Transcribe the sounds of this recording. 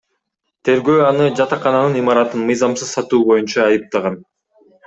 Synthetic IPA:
t̪ʰe̞ɾɡøːɑnɯd͡ʒɑt̪ɑqɑnɑnɯnimɑɾɑt̪ɯnmɯjzɑmsɯzsɑt̪uːbo̞junt͡ʃɑːjɯp̚t̪ɑʁɑn

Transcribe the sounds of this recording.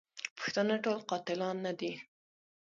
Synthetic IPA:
pə̥xt̪ənaʈolqɑt̪ɪlɑnːad̪i

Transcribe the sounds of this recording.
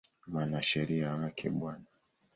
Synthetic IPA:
mwanaʃɛɾiawakʰɛ̰ɓwana

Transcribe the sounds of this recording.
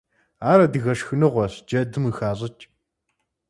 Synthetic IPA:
aːɾɐdɨɣɐʂxɨnɨʁʷɔɕd͡ʒɐdɨmɨxaːɕ̬ʼɐt͡ʃʼ

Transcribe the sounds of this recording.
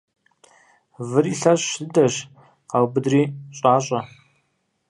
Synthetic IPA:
vɨriɬɐɕɕɨdɐɕ | qɑwbɨdriːɕʼɑːɕʼɐ

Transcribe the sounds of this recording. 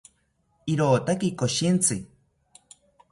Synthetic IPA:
iɾoːt̪akikoʃint͡sʰɨ

